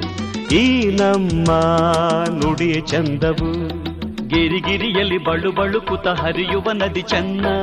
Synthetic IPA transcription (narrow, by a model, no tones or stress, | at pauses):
iːnɐmːɐ | nuɽijɐt͡ʃɐnd̪ɐʋu | ɡeɾiɡiɾijɐlibɐɭubɐɭukut̪ɐɦɐɾijuʋɐnɐd̪it͡ʃɐnːɐ